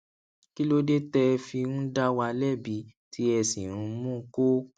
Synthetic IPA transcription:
ki˦lo˦de˦tɛ˧fi˧ũ˦da˦wa˧lɛ˦˨bi˧˦tʰi˦ɛ˧sĩ˨ɾ̃ũ˨˧˦mũ˦˧˦ko˦

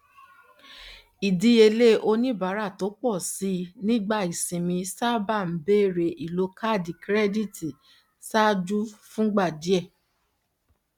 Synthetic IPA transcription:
i˨di˨˦e˧le˦ʔo˧nĩ˦ba˨˦ɾa˦˨to˨˦k͡pɔ˦˨si˨˦nĩ˦ɡ͡ba˦˨i˨sĩ˨mĩ˧sa˦ba˦˨m̩˨˦be˦˨ɾe˨ʔi˨lo˧˦ka˦˨di˨kɾɛ˦di˦˨ti˨ | sa˦d͡ʒu˦fũ˦ɡ͡ba˦˨di˨˦ɛ˦˨

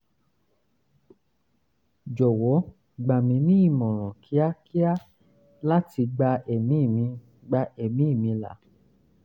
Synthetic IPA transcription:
d͡ʒɔ˨wɔ˨˦ | ɡ͡ba˨mĩ˨˦nĩ˦i˦˨mɔ̃˨ɾ̃ɔ̃˨kʰi˨˦a˦ki˦a˦ | la˦ti˧ɡ͡ba˧e˨mĩ˨˦˨mĩ˧ | ɡ͡ba˧ʔe˨mĩ˨˦i˦˨mĩ˧la̰˨˦

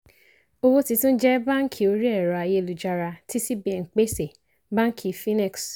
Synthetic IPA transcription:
o˧wo˦ti˧tũ˦d͡ʒɛ˦bã˦ŋ̩˦kʰi˨o˧ɾi˦ɛ˦˨ɾa˨a˧je˧lu˨d͡ʒa˧ɾa˧ti˦si˦bi˦˧ɛ˨ŋ̩˨k͡pe˦se˨ | bã˦ŋ˦kʰi˨fĩ˦nɛ˦˨ks

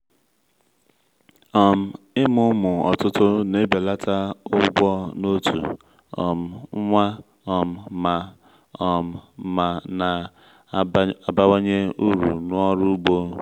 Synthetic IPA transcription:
ɔ˨m̩˨ | ɪ˦mʊ˦mʊ˨ɔ̰˨tʊ˦tʊ˦ne˦be˨la˦tʰa˦ʊ˦ɡ͡bɔ˦no˦tʰṵ˨ | ɔ̰˨m̩˨˦ŋʷa˦ | ɔ˨m̩˨ma˨ | ɔ˨m̩˨ma˨na˨ | a˨ba˦wo˦ɲe˦u˦ɾṵ˨nʊ˦ɔ˦ɾʊ˦ɡ͡bo˦

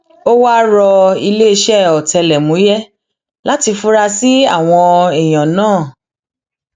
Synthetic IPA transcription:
o˦wa˦ɾɔ˧i˧le˦e˧ʃɛ˦ɔ˨tɛ˧lɛ˨mũ˨˦jɛ˦ | la˦ti˧fu˦ɾa˧si˦a˦˨w̃ɔ̃˧e˨j̃ã˨nãː˦˨

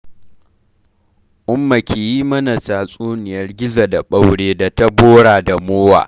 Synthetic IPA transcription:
ʔʊ˦mːa˨kʲʰeː˨jiː˦mɐ˦na˨t͡ʃaː˨sʼuː˦nɪ˨jɐ˦rɡʲɪ˦za˨da˨ɓa˦wɽeː˦da˨ta˦boː˦ɽaː˨da˨moː˦wa̰ː˨

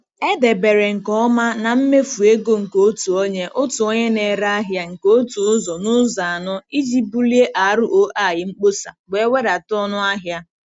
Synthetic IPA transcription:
e˦de˨be˨ɾe˨ŋ̩˨kɔ˦ma˦na˨m̩˦me˦fu˨e˦ɡo˦ŋ̩˨ko˦tu˨o˦ɲe˦ʔʊ˦tu˨o˦ɲe˦ne˨ɾa˦a˦ɦja˦ŋ̩˨ko˦tu˨ʊ˦zɔ˨nʊ˦za˨a˨nʊ˦i˦d͡ʒi˦bu˦li˦e˦ʔa˨˦ɾʊ˦ʔo˦ʔa˨jɪ˨ŋ͡m̩˦k͡po˦sa˨ɡ͡be˨˦we˦ɾa˨tɔ˦nʊ˦a˦ɦja˦

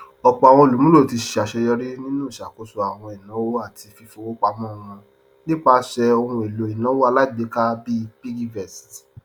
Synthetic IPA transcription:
ɔ˨k͡pɔ˨a˨w̃ɔ̃˧˨lu˨mũ˦ɾo˦˨ti˧ʃi˨a˨ʃɛ˧jɔ˧ɾi˦nĩ˦nũ˦˨ʃa˨ko˨˦so˨˧a˨w̃ɔ̃˧i˨nã˨˦wo˦a˦˨tʰi˧fi˧fo˧˨wo˦k͡pa˧mɔ̃˦˨w̃ɔ̃˧ | nĩ˦k͡pa˦ʃɛ˧o˧hũ˧e˨lo˨i˨nã˨˦wo˦a˧la˦i˦˨ɡ͡be˨˦ka˦bi˦˧pi˦ɡi˦vɛ˨st

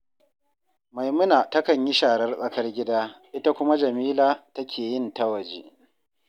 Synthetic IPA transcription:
ma˨jmʊ˦naː˨tɐ˦kɐ˨ɲji˦ʃaː˨ɽɐ˦rsʼɐ˦kɐ˦rɡʲɪ˦daː˦ʔɪ˦ta˦kʷʊ˦ma˦d͡ʒɐ˨miː˦laː˦tɐ˦kʲʰeː˨jɪ˦ntɐ˦wɐ˨d͡ʒeː˦ʔ

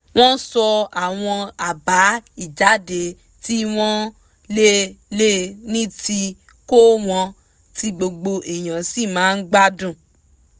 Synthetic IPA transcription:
w̃ɔ̃˦sɔ˧a˨w̃ɔ̃˧a˨ba˨˦i˦˨d͡ʒa˨˦de˧ | ti˦w̃ɔ̃˦ | le˦le˦nĩ˦ti˧ | ko˦w̃ɔ̃˧ | ti˧˦ɡ͡bo˧ɡ͡bo˧ʔe˨j̃ã˨si˦˨mãː˨˦n̩˦ɡ͡ba˦dũ˦˨

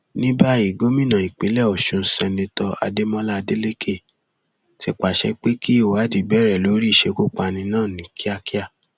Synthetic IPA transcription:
nĩ˦ba˦i˦˨ɡo˦mĩ˦˨nã˨i˨k͡pe˨˦lɛ˦˨ɔ˨ʃũ˧˦sɛ̃˧nĩ˧tɔ˧a̰˧de˦mɔ̃˦la˦˧de˦le˦kʰe˦˨ | ti˧k͡pa˨ʃɛ̰˧˦k͡pe˦ki˦i˦˨a˨˦di˨bɛ˦˨ɾɛ˨lo˨˦ɾi˦i˦˨ʃe˧˦ko˦k͡pa˨˧˨nĩ˧nãː˦˨nĩ˨kʰi˦a˧ki˦a˦˨

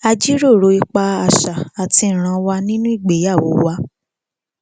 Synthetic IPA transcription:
a˧d͡ʒi˦ɾo˦˨ɾo˨˦i˧k͡pa˧a˧˨ʃa˨a˨tĩ˧˨ɾ̃ã˧wa˧nĩ˦nũ˦i˦˨ɡ͡be˨˦ja˦˨wo˨˦wa˧

